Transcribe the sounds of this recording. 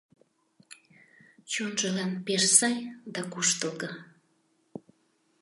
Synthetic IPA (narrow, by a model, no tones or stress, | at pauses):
t͡ɕonʒəlɑnpeʃsɑjd̪ɑkuʃt̪əlɣə